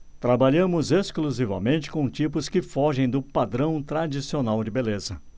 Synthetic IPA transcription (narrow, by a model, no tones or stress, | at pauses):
t̪ɾabaʎɐ̃mʊzeskluzivɐ̰mẽnt͡ʃɪ̥kõt͡ʃipʊskɪfɔʒẽj̃d̪ʊpad̪ɾɐ̃w̃t̪ɾad͡ʒisionawd͡ʒɪbelezɐ